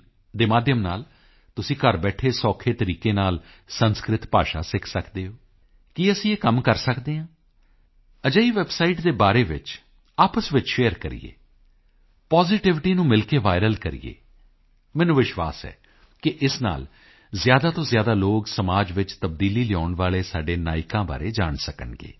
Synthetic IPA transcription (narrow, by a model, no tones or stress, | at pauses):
d̪eːmaːd̪ʱjəmnaːl | t̪ʊsĩːkəɾbɛːʈʰeːsɔːkʰeːt̪əɾiːkeːnaːl | sənskɾɪt̪pa̰ːʃa̰ːsɪkʰsəkd̪eːɦoː | kiəsĩːeːkəmkəɾsəkd̪eːɦãː | əd͡ʒəːiːʋɛbsaːiʈd̪eːbaːɾeːʋɪ̰t͡ʃ | aːpəsʋɪt͡ʃʃeːəɾkəɾḭjḛː | pɔːzɪʈɪʋɪʈiːnũːmɪlkeːʋaːɪɾəlkəɾḭjḛː | mɛ̃ːnũːʋɪʃʋa̰ːsɛ̰ː | kɪʔɪsna̰ːl | zjaːd̪aːt̪õːzjaːd̪aːloːɡsəmaːd͡ʒʋɪt͡ʃt̪əbd̪iːliːlɪjɔːɳʋaːɭeːsaːɖeːnaːɪkãːba̰ːɾeːd͡ʒa̰ːɳsəkə̰ɳɡḛː